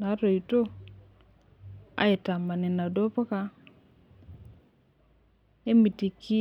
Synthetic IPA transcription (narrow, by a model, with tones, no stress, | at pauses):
na˨˦to˨i˨to˦ | a̰˨˦e˨ta˨ma˨ni˨na˨do˦pa˦ka˨ | e˦mi˨ti˨kʰi˦